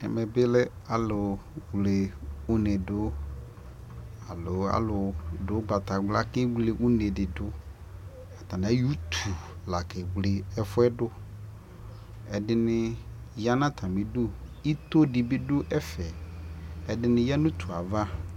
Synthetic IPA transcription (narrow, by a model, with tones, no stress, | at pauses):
ɛ̰˨mɛ˨bɪ˦lɛ˦a˨lʊ˨wle˨u˦ne˨dʊ˦ | a˨lʊ˨˦a̰˨lʊ˨dʊ˨˦ɡ͡ba˨t̪a˨ɡ͡bla˦kɪ˦wle˨ʔu˦ne˨dɪ˨dʊ˨˦ | a˨t̪a˨nã˨˦ju˦t̪ʰu˨la˨kɪ˨ɡ͡blɪ˨ɛ˦fʊ˦ɛ˦dʊ˦ | ɛ˨dɪ˦nɪ˦ja˦nã˦t̪ʰa˨mĩ˨du˦i˦t̪o˦dɪ˨bɪ˦dʊ˦ʔɛ˦fɛ˨ | ɛ˨dɪ˦nɪ̃˨ja˦nʊ̃˦t̪u˨a˨va˦